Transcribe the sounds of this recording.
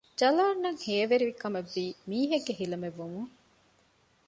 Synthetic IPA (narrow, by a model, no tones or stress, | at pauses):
d͡ʒɐlaːnːɐŋheːʋeɾiʋikɐmeʋːiːmiːɦeɡːeɦilɐmeʋːumuŋ